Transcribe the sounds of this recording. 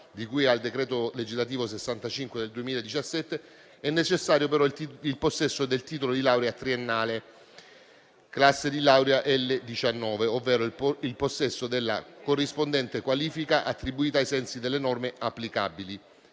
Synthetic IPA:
d̪ikujald̪ekɾɛːt̪oled͡ʒizlat̪̬iːvosesːant̪at͡ʃiŋkwed̪eld̪uemiːlaed̪it͡ʃasːɛt̪ːe | ɛnːet͡ʃesːaːɾjopeɾɔilposːɛsːod̪elt̪iːt̪̬olod̪ilawɾeat̪ɾienːaːle | klasːed̪ilawɾeaʔɛlːed̪it͡ʃanːɔːveovːɛːɾoilposːɛsːod̪elːa̰korːispond̪ɛnt̪ekwaliːfikaʔat̪ːɾibuiːt̪aːjsɛnsid̪elːenɔrmeapːlika̰bili

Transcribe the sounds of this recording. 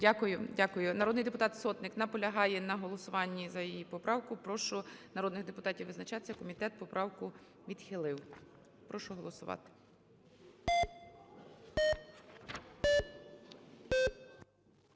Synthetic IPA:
dʲakʊjʊdʲakʊjʊnɐɾɔd̪nɪjd̪epʊt̪ɑt̪sɔt̪nɪknɐpɔlʲɐɦɑjɛnɐɦɔlˠɔsʊʋɑnʲːizɐjijipɔpɾɑwkʊpɾɔʃʊnɐɾɔd̪nɪɣd̪epʊt̪ɑtʲiwʋɪznɐt͡ʃɑt̪ɪ̥sʲɐkɔmʲit̪ɛt̪̚pɔpɾʔɑwkʊ | ʋʲid̪xɪlˠɪw | pɾɔʃʊɦɔlˠɔsʊʋɑ̰t̪ɪ̥

